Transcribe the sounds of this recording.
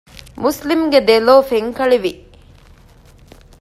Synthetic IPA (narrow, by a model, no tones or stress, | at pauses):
muslimɡed̪eloːfeŋkɐɭiʋi